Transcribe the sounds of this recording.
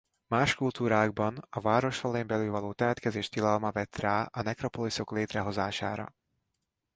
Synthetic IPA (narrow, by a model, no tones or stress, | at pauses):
maːʃkult̪uːɾaːɡbɒnɒvaːɾo̞ʃrɒlɛjembɛlylvɒloːt̪ɛmɛt̪kɛzeːʃt̪ilɒlmɒvɛt̪raːʔɒnɛkro̞poliso̞kleːt̪rɛɦo̞zaːʃa̰ːɾɒ̰